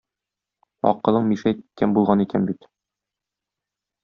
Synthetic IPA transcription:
ɒ̰qɤ̆lˠɤɴmiʃæt̪i̥t̪̚kænbulˠʁɑnikænbit̪

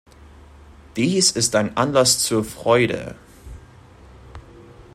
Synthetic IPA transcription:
d̥iːsɪstaɪnʔanlast͡suːɐfʁ̥ɔʏdə̰

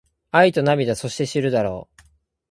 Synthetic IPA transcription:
ait̪o̞namʲid̪aso̞ɕi̥t̪e̞ɕiɾɯ̟d̪aɾo̞̰ː

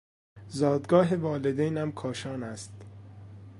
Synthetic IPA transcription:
zɒːd̪ɡɒːɦevɒːled̪ejnæmkʰɒːʃɒːnæst̪

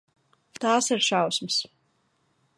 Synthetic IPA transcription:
t̪aːsiɾʃawsmɨs

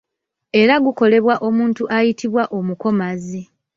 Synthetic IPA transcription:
e̞ɾaɡuko̞le̞βwaʔo̞muːntuʔajitʰiβwaʔo̞muko̞mazi

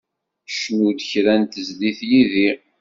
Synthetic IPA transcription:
ʃnud̪çɾænt̪əzliθjiði

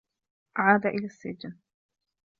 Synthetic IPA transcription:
ʔaʕaːd̪aʔɪlaːsːɪd͡ʒːa

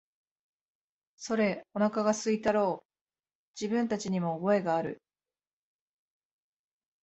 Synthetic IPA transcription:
so̞ɾe̞o̞nakaɡasɨit̪aɾo̞ː | d͡ʑibɯ̟̃nt̪at͡ɕiɲ̟imo̞ːbo̞e̞ɡaːɾɯ̟̰

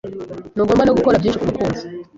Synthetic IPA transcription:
nuːɡoːmbanoɡuko̞ɾabjiːnʃikumukuːnzi̥

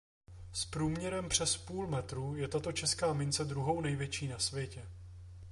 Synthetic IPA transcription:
spɾuːmɲɛɾɛmpr̝̥ɛspuːlmɛt̪ɾuːjɛt̪at̪o̞t͡ʃɛskaːmɪnt͡sɛd̪ɾuɦo̞wnɛjvjɛt͡ʃiːnasvjɛcɛ

